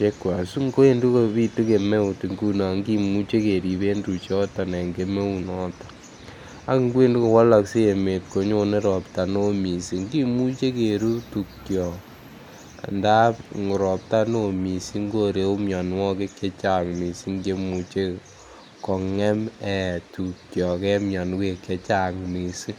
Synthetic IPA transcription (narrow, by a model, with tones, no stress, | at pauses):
t͡ʃe˦kwa˨su˦ŋɡo˦e˦ndu˦ko˦βi˦tu˦ke˨me˦u˨ti˨ŋɡu˦na˨ŋɡi˦mu˦t͡ʃe˦ke˨ɾi˨βe˦ndu˨t͡ʃɔ˦tɔ˨ne˨ŋɡe˨me˦u˨nɔ˦tḁ˨ | a˦kŋɡwe˦ndu˦ko˨wa˦la˨kse˦e˨me˨t̚ko˨ɲo˦ne˦ɾɔ˨pta˨no˦mi˨si˨ŋɡi˦mu˦t͡ʃe˦ke˨ɾu˦tu˨kjɔ˨ | nda˦pŋo˨ɾɔ˨p̚ta˦no˨mi˨si˦ŋɡo˦ɾe˨u˦mjɔ˨n˦wɔ˦ke˦ke˦t͡ʃa˨ŋni˨si˦ŋɡe˦mu˦t͡ʃe˦ | kɔ˨ŋɛ˦mɛ˨tu˨kjɔ˨kɛ˦mja˨n˦ke˨ke˦t͡ʃa˨ŋni˨si˦